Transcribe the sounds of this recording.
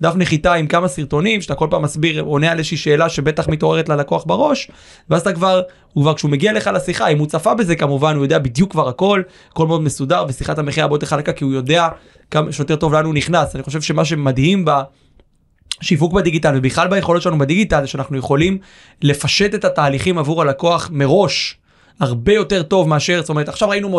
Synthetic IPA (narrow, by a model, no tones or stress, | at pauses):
d̪afneχit̪aimkamasiʁt̪o̞nimʃat̪akolpaːmːasbiʁo̞nealezeʃeiʃe̞ːlaʃe̞be̞t̪aχmito̞ʁe̞ʁ̞etlalakoaχbaʁo̞ʃ | veazt̪akvaʁ | hukvaʁkʃumeɡialeχalasiχaimut͡safabe̞ze̞kamuvanujode̞abid̪jukːvaʁako̞l | ko̞lmeod̪mesud̪aʁvesiχathameχiabot̪eχalekakiujo̞d̪e̞a | kamaʃejotet̪o̞vlanuniχnasaniχo̞ʃe̞vʃe̞maʃ̬e̞madhimba | ʃivukbad̪iɡit̪alvebiχlalbajeχolot̪ːelanubad̪iɡitalʃeanaχnuje̞χo̞lim | le̞faʃe̞t̪etataːliχimavuʁalako̞aχmeʁo̞ʃ | aʁbe̞jo̞te̞ʁto̞vmeaʃe̞ʁstomeet̪aχʃavʁainumo